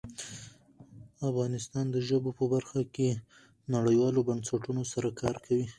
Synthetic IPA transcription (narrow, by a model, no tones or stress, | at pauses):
afɣɑnɪst̪ɑnd̪əʒəbopəbaɾxake | naɽəjwɑlobansaʈunosaɾakʰɑɾkʰawi